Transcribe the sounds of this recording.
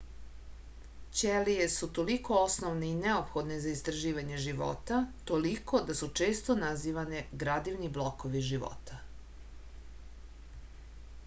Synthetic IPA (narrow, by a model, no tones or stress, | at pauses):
t͡ɕelijesut̪o̞liko̞osnoʋneineopxo̞d̪nezaist̪ɾaʒiːʋaɲe̞ʒiʋo̰t̪at̪o̞liko̞d̪asut͡ʂe̞ːst̪onaziːʋaneɡɾad̪iʋniblˠokoʋiʒiʋo̰t̪a